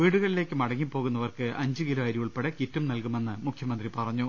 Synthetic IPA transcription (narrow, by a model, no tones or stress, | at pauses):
ʋiːɽuɣɐɭile̞ːkːɨmɐɽɐŋːipːo̞ːɣunːɐʋɐrkɨʔɐɲd͡ʑɨkiloɐːɾijuɭpeɽekitːumnɐlkume̞nːɨmukʰjɐmɐnd̪ripɐrɐɲːu